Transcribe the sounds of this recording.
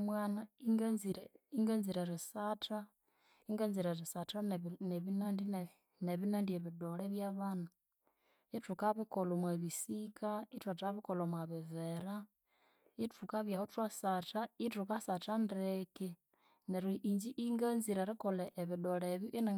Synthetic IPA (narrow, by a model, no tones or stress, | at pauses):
mwaːnaiŋɡaziɾiŋɡanziɾeɾisatʰa | iŋɡanziɾeɾisataneβinandi | neβinaːndieβidoleβjaβana | itukaβikolomwaβisikaitwataβikolomwaβiveɾa | itukaβjahotwasataitukasatandɾeke | neɾiʔiɲd͡ʒiʔiŋɡanziɾeɾikoleʔːβidoleβjuʔina